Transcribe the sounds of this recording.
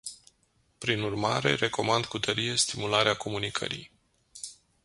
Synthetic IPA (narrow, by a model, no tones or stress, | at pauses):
pɾinurmaɾe̞̰ɾe̞ko̞mand̪kut̪ʰəɾije̞st̪imulaɾeako̞munikʰə̰ɾḭj